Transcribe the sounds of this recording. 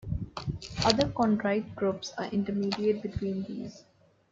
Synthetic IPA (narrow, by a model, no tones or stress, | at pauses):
ʌd̪əɾkɔ̃ːɳʈɾak̚ʈɡɾuːpsa̰ːɾʔɪ̃ɳʈəɾmiːɖiəʈ̚bɪʈʋĩːnd̪ḭːs